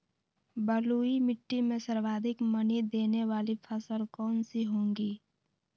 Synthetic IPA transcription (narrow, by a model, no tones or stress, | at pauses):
bəluːimɪʈːimẽsəɾwaːd̪ʱɪkmənid̪eːneʋaːlipʰəsəlkɔːnsiɦõːŋɡiː